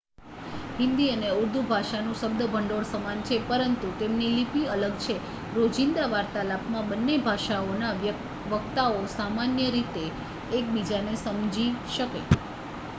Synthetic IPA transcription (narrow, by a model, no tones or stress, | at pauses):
ɦɪ̃nd̪iəneuɾd̪ʱubʱaʃanũʃəb̚d̪əbʱəɳɖoɽsəmant͡ʃʰepəɾənt̪ut̪emnilipiələɡt͡ʃʰe | ɾod͡ʒind̪aʋaɾt̪alapmãbənːebʱaʃaona | ʋəkt̪aosamanjəɾit̪eː | k̚bid͡ʒanesəmd͡ʒiʃəkḛ